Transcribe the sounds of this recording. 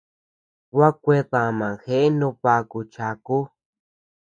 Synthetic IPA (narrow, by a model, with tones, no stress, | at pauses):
wa˦kʷe˧ðã˧˨mã˨xe˦e˦nũ˧pa˧ku˧t͡ʃa˨ku˦